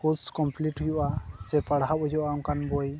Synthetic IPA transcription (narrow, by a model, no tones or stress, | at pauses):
huskɔmpliʈhujɔʔasɛpaɽɦaʔɔjɔʔaɔŋkanbɔj